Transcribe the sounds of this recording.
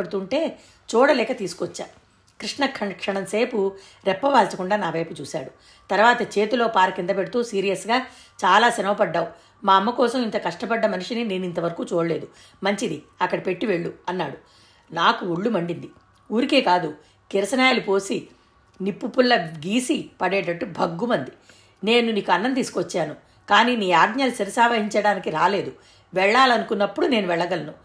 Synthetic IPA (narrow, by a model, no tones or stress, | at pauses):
eɽut̪uɳʈe̞ː | t͡ʃɔːɽɐlɛːkɐt̪iːsu̥kɔt͡ʃːa̰ː | kɾiʂɳɐkɐkʂɐɳɐmse̞ːpu | ɾɛpːɐʋaːlsɐkuɳɖaːnaːʋɐjput͡ʃuːsa̰ːɽu | t̪ɐɾʋaːt̪ɐt͡ʃe̞ːt̪ulo̞ːpaːɾɐkind̪ɐpe̞ɽut̪uːsiːɾijɐsɡaː | t͡ʃaːlaːsɐnɐʋɐpɐɖːaːu | maːɐmːɐkɔːsɐmint̪ɐkɐʂʈɐpɐɖːɐmɐnuʂinine̞ːnint̪ɐʋɐɾɐkuːt͡ʃoːɽɐle̞ːd̪u | mɐɲt͡ʃid̪iɐkːɐɽɐpe̞ʈːiʋe̞ɭːuɐnːaːɽu | naːkuuɭːumɐɳɖind̪i | uːɾike̞ːkaːd̪u | kiɾɐsɐnajaːlupo̞ːsi | nipːupːulːɐɡiːsipɐɽɛːʈɐʈːubʱɐɡːumɐnd̪i | ne̞ːnuniːkuɐnːɐnt̪iːsu̥kʋɔt͡ʃːaːnu | kaːniːniːaːɡɲaːlusɐɾɐsaːʋɐɦiɲt͡ʃɐɽaːnikiɾaːle̞ːd̪u | ʋɛɭːaːlɐnukunːɐpːuɽune̞ːnuʋɛɭːɐɡɐlɐnu